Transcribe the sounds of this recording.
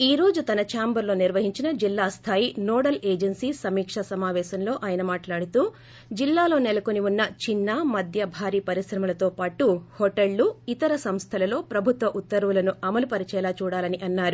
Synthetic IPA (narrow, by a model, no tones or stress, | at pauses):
iːɾo̞ːd͡ʒut̪ɐnɐt͡ʃaːmbɐɾlo̞ːniɾʋɐɦiɲt͡ʃinɐd͡ʒilːaːst̪ʰaːjinoːɽɐleːd͡ʒɐnsiːsɐmiːkʂɐsɐmaːʋɛːʃɐmlo̞ːʔaːjɐnɐmaːʈlaːɽut̪uː | d͡ʒilːaːlo̞ːnelɐko̞niʋunːɐt͡ʃinːaːmɐd̪ʱjɐbʱaːɾiːpɐɾisɾɐmɐlɐt̪o̞ːpaːʈuhoʈeɭːuit̪ɐɾɐsɐmst̪ʰɐlɐlo̞ːpɾɐbʱut̪ʋɐʔut̪ːɐɾʋulɐnuɐmɐlupɐɾit͡ʃɛːlaːt͡ʃuːɽaːlɐniʔɐnːaːɾu